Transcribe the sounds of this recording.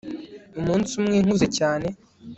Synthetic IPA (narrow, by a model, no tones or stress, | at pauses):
umuːnsumŋiːŋ̥uze̞caːne̞